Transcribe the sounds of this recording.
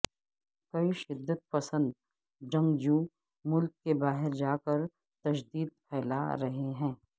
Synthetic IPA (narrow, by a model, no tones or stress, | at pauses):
kɐiʃɪd̪ːət̪̚pɐsə̃nd̪ | d͡ʒɐ̃ŋɡd͡ʒũː | mʊlkːebaːɦɪɾd͡ʒaːkəɾ | t̪ɐʃd̪iːd̪̚pʰɛːla̰ɾɐɦeɦɛ̃ː